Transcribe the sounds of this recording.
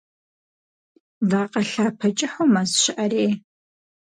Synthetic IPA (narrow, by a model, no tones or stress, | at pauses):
vaːqʼɐɬaːpʰɐt͡ʃʼɪħomazʃɪʔɐreː